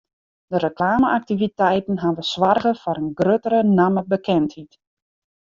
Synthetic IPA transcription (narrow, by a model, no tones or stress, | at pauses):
d̥ərəklaːməʔak̚tivitɛjtən̩ɦanʋəsʋarɣəfɔɾənɡrøtəɾənaməbəkɛnthit